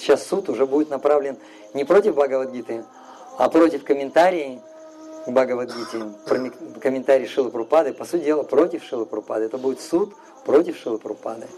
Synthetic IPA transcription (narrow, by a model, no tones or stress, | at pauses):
ɕasːut̪ʊʐɛbudʲɪt̪nɐpɾavlʲɪn | nʲɪpɾo̞tʲɪvbaɡəvɐd̪ɡʲit̪ɨ | apɾo̞tʲɪfkəmʲɪnt̪aɾʲɪː | baɡəvɐd̪̚ɡʲit̪ɨpɾəmʲɪkəmʲɪnt̪aɾʲɪːʂɨlˠɨpɾʊpad̪ɨpɐsutʲɪdʲe̞lˠəpɾo̞tʲɪfʂɨlˠɨpɾʊpa̰d̪ɨɛt̪əbudʲɪt̪sut̪ | pɾo̞tʲɪfʂɨlˠɨpɾʊpa̰d̪ɨ